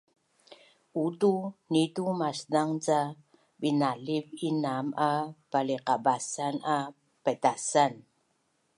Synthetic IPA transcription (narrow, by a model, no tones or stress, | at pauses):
utunitumasdaŋt͡sa | binalivinamapaliqabasana | pətasan